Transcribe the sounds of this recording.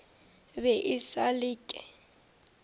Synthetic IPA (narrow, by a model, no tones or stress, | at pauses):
βɛʔisaliːkʼɛ